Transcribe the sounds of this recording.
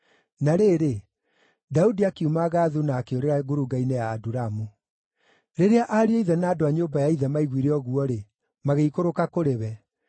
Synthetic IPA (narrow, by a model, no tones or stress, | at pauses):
naɾeːɾe | daudiakiumaɣaːðunaːkeoɾeɾaɡoɾuɡainejaːduɾamu | ɾeɾeaʔaɾiaiðɛnaːdoaɲoːbajaiðɛmaiɣwiɾeɔɣuɔɾe | maɣeikoɾokakoɾeβɛ